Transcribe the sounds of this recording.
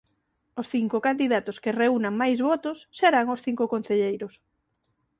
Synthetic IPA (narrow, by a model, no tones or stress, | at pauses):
osθiŋkokand̪iðat̪oskereunaŋmajzβɔt̪ʊsːeɾaŋosθiŋkʊkon̟θeʎejɾʊs